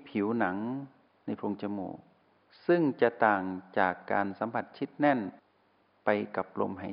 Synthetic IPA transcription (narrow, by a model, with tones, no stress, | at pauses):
pʰi˩˦wna˩˦ŋ | na˧˩jpʰo˧˨ŋt͡ɕa˧mṵː˧˩ | sɯ˧˥˩ŋt͡ɕa˧t̪aː˨˩ŋt͡ɕaː˨˩kːa̰ː˧nsa˨˧˦mpʰa˧˩t̪̚t͡ɕʰi˧˥˩t̪̚nɛ˧˥˨n | pa˧jka˧˩p̚lo̰˧mɦa˨˩